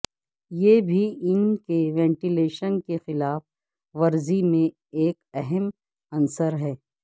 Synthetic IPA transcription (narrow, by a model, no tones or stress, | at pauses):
jeːbʱiɪnkeʋɛ̃ːɳʈileːʃənkexɪlaːf | ʋɐɾzimẽ | eːkɛɦɛm | ɐnsəɾɦɛː